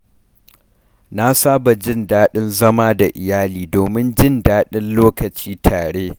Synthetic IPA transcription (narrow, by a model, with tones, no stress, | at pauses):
na˦saː˦ba˨d͡ʒɪ˦ndaː˦ɗɪ˦nzɐ˦maː˦da˨ʔɪ˨jaː˦liː˨doː˨mɪ˦nd͡ʒɪ˦ndaː˦ɗɪ˦nloː˦kɐ˨t͡ʃiː˦tʰaː˨ɽeː˦